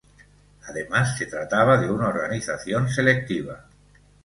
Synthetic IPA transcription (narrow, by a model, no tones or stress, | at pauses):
aðemasːe̞t̪ɾat̪aβ̞aðe̞unaoɾɣaniθaθjons̬e̞lek̚t̪iβ̞a